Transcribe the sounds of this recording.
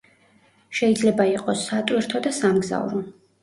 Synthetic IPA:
ʃɛid̪zlɛbaiqʼɔsːat̪ʼwiɾt̪ʰɔd̪asamɡza̰vɾɔ

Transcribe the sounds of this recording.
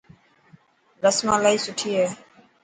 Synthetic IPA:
d̪əsmãːlaːiːsʊʈʰiːɦeː

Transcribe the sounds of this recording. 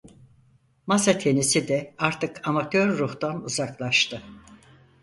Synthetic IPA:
masat̪ʰe̞nisid̪ɛaɾt̪ʰɯkʰamat̪ʰøɾːuht̪anuzaklˠaʃt̪ʰɯ

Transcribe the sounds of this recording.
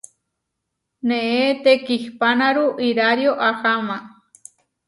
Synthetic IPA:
nẽet̪ekihpanaɾuʔiɾaɾjoʔaxamã

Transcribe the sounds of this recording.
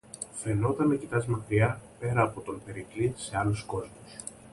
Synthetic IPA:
fe̞no̞t̪ɐnecit̪ɐzmɐkɾiɐpe̞ɾɐːpo̞t̪o̞mpe̞ɾiklise̞ɐlusko̞zmus

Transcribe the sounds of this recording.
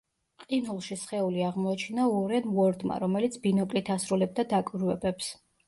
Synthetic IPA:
qʼinulˠʃisχɛuliaʁmɔat͡ʃʰinaɔɾɛnvɔɾd̪ma̰ɾɔmɛlit̪sʰbinɔkʼlit̪ʰasɾulɛb̚d̪ad̪akʼwiɾvɛbɛps

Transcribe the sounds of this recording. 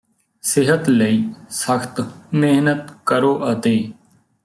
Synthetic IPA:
sɪɦət̪ləiːsəkt̪meɦnət̪kəɾoːʔət̪eː

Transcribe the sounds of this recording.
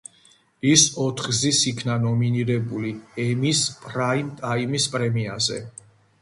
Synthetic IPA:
isɔt̪ʰχɡzisikʰnanɔminiɾɛbuliɛmispʼɾaint̪ʼaimispʼɾɛmiazɛ̰

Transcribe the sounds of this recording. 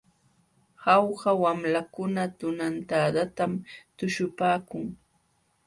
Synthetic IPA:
hɑwhawamlakʊnat̪ʊnant̪aːd̪at̪amt̪ʊʃʊpaːkʊŋ

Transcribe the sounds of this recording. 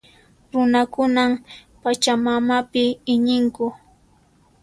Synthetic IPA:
ɾʊnakʊnam | pat͡ʃamamapɪɪɲɪŋkʊ

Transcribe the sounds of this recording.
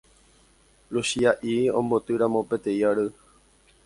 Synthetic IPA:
luʃiaʔiõ̰mbo̞t̪ɨɾãmõ̞pet̪e̞iaɾɨ

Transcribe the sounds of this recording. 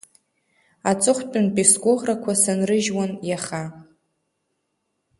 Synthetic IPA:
at͡sʼɨχʷt͡pʼʊnpʼisɡʷʼʊʁrakʷʰasanrɨʒwanjaχa

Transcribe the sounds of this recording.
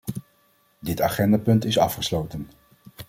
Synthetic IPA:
dɪtaːχɛndaːpɵntɪsɑ̰fχəslowtən

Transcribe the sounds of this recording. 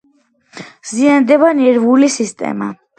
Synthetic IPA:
z̥iand̪ɛbanɛɾvulisist̪ʼɛ̰ma̰

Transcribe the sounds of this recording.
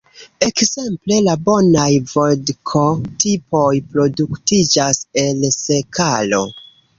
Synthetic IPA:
e̞kz̥e̞mple̞labo̞najvodkʰo̞tipʰo̞jpɾo̞duktid͡ʒase̞lse̞kʰalo̞̰

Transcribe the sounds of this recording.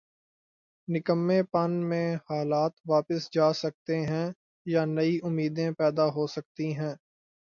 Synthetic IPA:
nɪkəmːẽpɐnmẽhaːlaːt̪ʋaːpəsd͡ʒaːsɐk̚t̪eɦɛ̃ | janɐiʔʊmːiːd̪ẽpɛːd̪aɦoːsɐk̚t̪iɦɛ̃ː

